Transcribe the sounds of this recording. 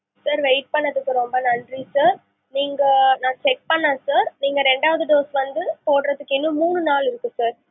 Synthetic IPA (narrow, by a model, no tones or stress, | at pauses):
saːɾʋɛɪʈ̚pɐɳːɐðɯkːɯɾɔmbɐnɐnɖrisaːɾ | niːŋɡɐnãːt͡ʃɛk̚pɐɳːãːsaːɾniːŋɡɐɾɛɳɖaːʋɐðɯɖoːsʋɐnd̪ɯpoːʈɾɐðɯkːɪnːɯ̃muːɳɯnaːlɪɾɯkːɯ̃saːɾ